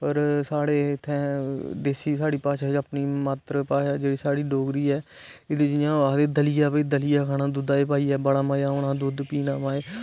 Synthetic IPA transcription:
ɔːɾsaːɽeːt̪ʰːɛ̃ːd̪eːsiːsaːɽiːpaːʃaːd͡ʒaːpniːmət̪ɾəpaːʃaːd͡ʒeːɽiːsaːɽiːɖoːɡɾiːɛː | ɪd̪eːd͡ʒɪjãːʋaːd̪eːd̪əlɪjaːpəiːd̪əlijaːkʰaːɽãːd̪ʊd̪aːeːpaːiːɛːbəɽaːmaːjaːʊnãːd̪ʊd̪piːnaːmaːeː

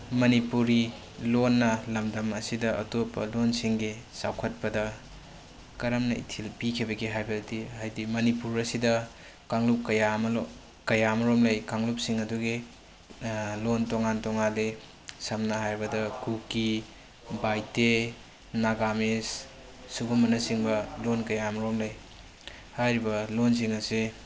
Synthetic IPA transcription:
mɐnipuɾi | lonːɐlɐmdɐmɐsidɐʔɐ̰topːɐ̰lonsiŋɡisa̰wkʰɐt̚pɐdɐ | kɐɾɐmnɐḭtʰilpikʰibɐɡiɦajbʱeltiɦajdimɐnipuɾɐsidɐ | kaŋlup̚kɐjamɐ | kɐjamɐɾomlejkaŋlup̚siŋɐduɡi | lontoŋantoŋale | sɐmnɐɦajbɐdɐkuki | bajte | naɡames | suɡumɐnɐsiŋbɐlonkɐjamɐɾomlej | hajɾibɐlons̬iŋɐse

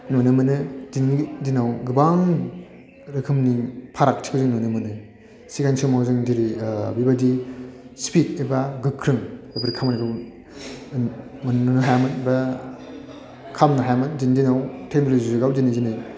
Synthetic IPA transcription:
nonɯmɯnɯdindinawɡɯbaŋ | ɾɯkʰɯmnipʰaɾak̚tʰi̥kʰɯzɯŋnonɯmɯnɯ | siɡansʰɯmawzɯŋdiɾibibadispʰit̚ebaɡɯkʰːɾɯŋebɐɾikʰamaniɡaw | mannɯnɯɦajamɯnba | kʰamnaɦajamɯndindinawtʰek̚nolozizɯɡawdinizinɯj

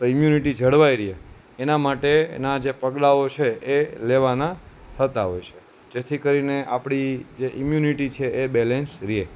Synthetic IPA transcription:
t̪oimjuniʈid͡ʒʱəɽʋaiɾie | enamaʈḛnad͡ʒepəɡlaot͡ʃʰeʔeleʋanat̪ʰət̪aɦojt͡ʃʰe̥ | d͡ʒet̪ʰikəɾineʔapɽ̃id͡ʒeʔimjuniʈit͡ʃʰeʔebɛlensɾie

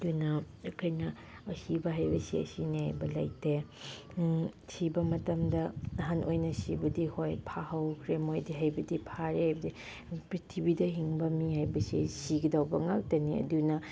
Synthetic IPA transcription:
ɐdunɐ | ɐkʰojnɐ | ɐsibɐɦajbɐsḭɐ̰sineha̰jbɐla̰jte | sibɐmɐtɐmdɐɐɦanʔojnɐsibɐdihojpʰahɐwkʰɾemojdiɦajbɐdipʰaɾehajbɐdi | pɾitʰibidɐɦiŋbɐmiɦajbɐsḭsiɡidawbɐŋak̚tɐniɐ̰dunɐ

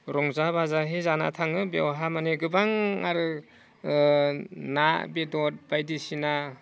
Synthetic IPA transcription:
ɾɔŋzabazaɦezana̰tʰaŋɯbewɦamaneɡɯbaŋa̰ɾɯ | nabedɔt̚bajdisina

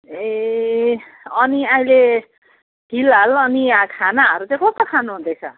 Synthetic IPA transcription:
e | ʌniaile | ɡʱilalʌniakʰanaʌɾut͡sjãkʌst̪okʰanuɦund̪et͡sʰʌ̰

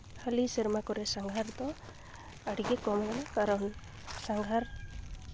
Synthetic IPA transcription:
haliseɾmakɔɾesaŋɡʱaɾt̪ɔ | aɽikekɔmɔnanakaɾɔn | saŋɡʱaɾ

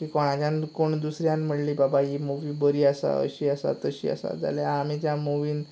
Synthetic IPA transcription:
kiːkɔɽ̃ãd͡ʑjãnkoɳd̪usɾjãnm̤əɽliːbabaɦimuʋiːbəɾiːasa̰ə̰ɕiːəsa̰t̪əɕḭːə̰sa̰d͡za̰ljaːmit̪jamuʋiːn

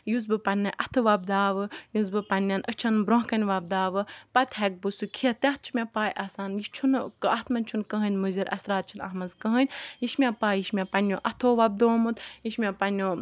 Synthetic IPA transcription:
juzbɨpɐnʲːɨʔɐt̪ʰɨʋɐb̚d̪aːʋɨjuzbɨpɐnʲːɐnʔət͡ʃʰɐnbɾɔ̃ɦkɐnʲʋɐb̚d̪aːʋɨpɐt̪ʲɦɛk̚bɨsukʰiɐt̪ʲɐɦ̚t͡ʃʰimʲepaːjʔɐsaːnjit͡ʃʰunkɐt̪ʰmɐnʲt͡ʃʰunkə̃ɦɐnʲmuzʲiɾʔɐ̰sɾaːt̪̚t͡ʃʰinɐ̰ɦmɐzkə̃ɦənʲjiʃmʲepaːjiʃmʲepɐnʲjoːʔɐt̪ʰoːʋɐb̚d̪oːmɨt̪jiʃmʲapɐnʲoː

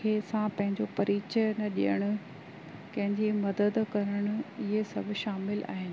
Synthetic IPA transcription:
eːsãpɐ̃ɦɪ̃ɲd͡ʑopɐɾiːt͡ɕənɐɗḭjəɽ̃ʊ̆ | kɐ̃ɦɪ̃ɲd͡ʑimɐd̪əd̪kɐɾəɽ̃ʊ̆ɪɦesɐbʱɪʃaːmɪlʔa̰ːɦɪnɪ̆

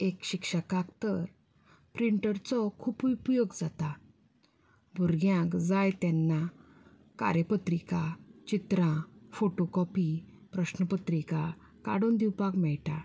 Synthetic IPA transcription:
ekɕikʂəkakt̪əɾ | pɾiɳʈəɾt͡sɔkʰuːpupjoɡd͡zat̪a | bʱuɾɡjãkd͡zajt̪ɛnːa | ka̰ɾjəpət̪ɾikat͡ɕit̪ɾãfoʈokɔpi | pɾəɕnəpət̪ɾika | ka̰ɽond̪iwpakmɛɭʈa

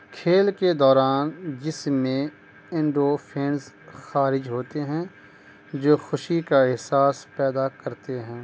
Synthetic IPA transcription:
kʰeːlked̪ɔːɾaːnd͡ʒɪsmːẽ | ɪ̃ɳɖoːpʰẽːns | xaːɾɪd͡ʒɦoːt̪eɦɛ̃ | d͡ʒoːxʊʃikaɪɦsaːspɛːd̪akɐɾt̪eɦɛ̃ː

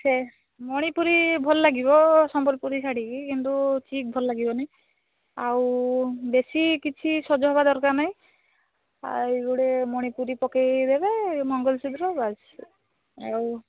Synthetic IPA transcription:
sʰe | mɔɽ̃ipuɾibʱɔlːaɡibɔsɔmpɔɾipuɾisaɽikikint̪ut͡ʃik̚bʱɔllaɡibɔni | awbesikit͡ʃʰisɔd͡ʒɔɦɔbad̪ɔɾkaɾnaj̃ | a̰iɡuɽemɔɽ̃ipuɾipɔkejd̪ebemɔŋɡɔlsud̪ɾɔbas | aw

